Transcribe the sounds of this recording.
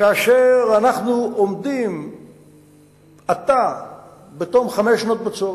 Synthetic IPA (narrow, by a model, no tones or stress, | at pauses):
kaːʃeʁanaχnuomd̪im | at̪a | bet̪omχameʃnot̪̚bet͡so